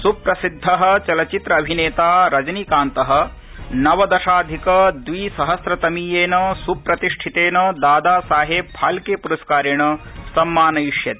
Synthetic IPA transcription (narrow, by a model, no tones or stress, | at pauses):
supɾɐsid̪ʱːɐɦɐ̆t͡ʃɐlɐt͡ʃit̪ɾɐːbʱineːt̪aːɾɐd͡ʒɐnikaːnt̪ɐɦɐ̆ | nɐʋɐd̪ɐʃaːd̪ʱikɐd̪ʋiːsɐɦɐsɾɐt̪ɐmiːjeːnɐsupɾɐt̪iʂʈʰit̪eːnɐd̪aːd̪aːsaːɦeb̚haːlkeːpuɾɐskaːɾiɳɐsɐmːaːnɐjiʂjɐt̪e